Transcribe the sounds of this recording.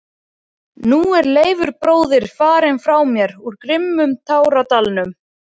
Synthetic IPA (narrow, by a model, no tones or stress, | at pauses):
nuɛɾleːjvʏɾpɾoːwðɪɾ̥faːɾɪnfɾawmjɛɾuɾkɾɪmːʏmt̪ʰaːwɾat̪alnʏm